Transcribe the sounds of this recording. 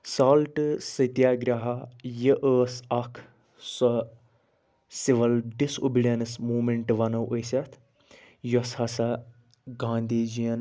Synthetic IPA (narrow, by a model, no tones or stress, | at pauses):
saːlʈɨsɐt̪jaːɡɾʲaɦɐjəʔəːsɐkʰ | sɐ | siʋɐlɖisṵbiɽɐnɨsmuːmeɳʈʋɐnɐʔosʲɐt̪ʰ | joshɐsɐ | ɡãːnd̪iːd͡ʒijɐn